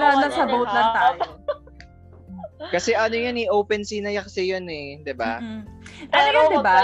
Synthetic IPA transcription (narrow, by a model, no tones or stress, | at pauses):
lanɐsɐbowt̪̚nɐŋt̪aː | kɐsɛʔɐnojoniʔowpɛnsinɐjakɐsɛjonɛd̪ɪba̰ | t̪ɐsd̪ɪba